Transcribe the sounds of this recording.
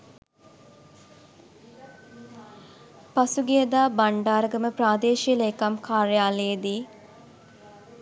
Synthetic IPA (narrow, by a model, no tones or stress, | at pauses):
pasuɡijəd̪aːbaɳɖaːɾəɡəməpɾaːd̪eːʃiəleːkamkʰaːɾjaːlejed̪iː